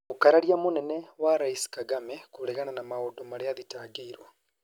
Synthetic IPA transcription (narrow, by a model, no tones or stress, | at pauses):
ukaɾaɾiamonɛnɛwaɾaiskaɡamɛkoɾɛɣananamaodomaɾeaðitaːɡeiɾwa